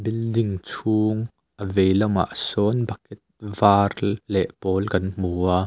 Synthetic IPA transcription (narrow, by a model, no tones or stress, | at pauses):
bildiŋt͡sʰuːŋ | ʔəvejlɐma̰ʔsɔnbɐkɛt̪̚vaːrlɛʔpɔːlkɐnmuːaː